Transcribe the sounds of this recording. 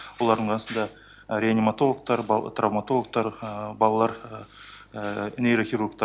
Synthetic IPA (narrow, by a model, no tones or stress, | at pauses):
wo̞lˠɑɾd̪əɴqʰɑnəsənd̪ɑ | ɾʲeanʲimat̪o̞lˠək̚t̪ɑɾb̰t̪ravmat̪o̞lˠək̚t̪ɑɾbɑlˠɑlˠɑɾ | nejɾoχʲiɾurk̚t̪ɑ